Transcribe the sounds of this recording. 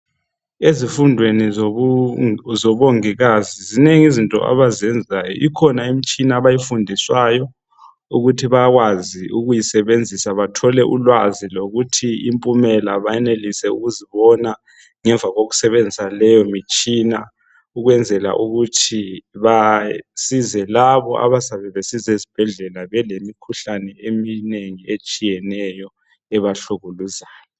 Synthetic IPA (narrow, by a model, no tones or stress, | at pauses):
ezifundʱweni | zɔβoŋiɣazizineŋizintʼɔ̰ʔa̰βazɛnd͡zʱajɔ̰ʔikʰɔnaimit͡ʃʼinaβajifundʱiswajɔ | uɣutʰiβaɣwaziuɣujisɛβend͡zʱisaβatʰɔlɛʔulwaziloɣutʰiimpʼumɛlaβajɛnelisɛuɣuziβɔna | ŋɛɱb̪vʱaɣoɣu̥sɛβend͡zʱisalɛjɔmit͡ʃʼina | uɣwɛnd͡zʱɛla̰ʔuɣutʰiβasizɛlaβɔʔa̰βasaβɛβesizesib̥ʱɛɮɛlaβɛlemikʰuɬanɛemineŋiet͡ʃʼijɛnɛjɔ | ɛβaɬuɣuluzaːjɔ